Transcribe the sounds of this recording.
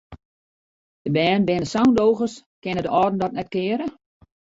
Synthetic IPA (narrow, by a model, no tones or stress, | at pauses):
d̥əbɛːnbɪnəsawndowɣəskɪnədəɔːdn̩dɔt̚nɛt̚kɪəɾə